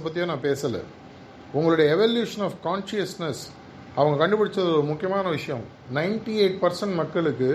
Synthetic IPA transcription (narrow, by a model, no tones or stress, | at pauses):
pːɐt̪ːɪjõːnãːpeːsɐlɛ̰ | ʊŋɡɐɭɯɽɐjɐɛʋɐljuːʂɐnaːfkaːnʂɪɐsnɐs | ɐʋɐŋɡɐkɐɳɖɯpːɐɽɪt͡ʃːɾɐðɔɾɯmʊkːɪjɐmaːnɐʋɪʂɐjɐ̃m | nɐɪnʈieːʈ̚pɐɾsɐɳʈmɐkːɐɭɯkːɯ